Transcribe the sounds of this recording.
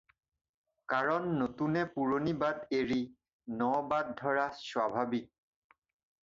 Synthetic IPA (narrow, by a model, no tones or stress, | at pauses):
kaɹɔnːotunɛpuɹonibadeɹi | nɔbad̚dʱɔɹaswabʱabik̚